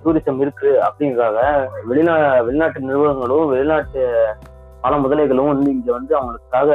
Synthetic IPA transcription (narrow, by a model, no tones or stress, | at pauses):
suːɾɪsɐmɪɾɯkːɯɾɯɐ̰pːɐɽɪŋɡɐkaːɣɐʋɛɭɪnaːʋɛɭɪnaːʈːɯnɪɾɯʋɐɣɐŋɡɐɭɯ̃mʋɛɭɪnaːʈːɯ | pɐlɐmʊðɐlɐɪɣɐɭɯ̃mɪnd̪ɯɪŋɡeːʋɐnd̪ɯɐʋɐŋɡɐɭɯkːaːɣɐ